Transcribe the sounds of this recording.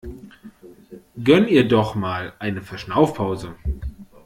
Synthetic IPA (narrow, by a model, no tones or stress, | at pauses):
ɡœntiːɐdɔχmaːlʔaɪnəfɛɐʃnaʊfpʰaʊzə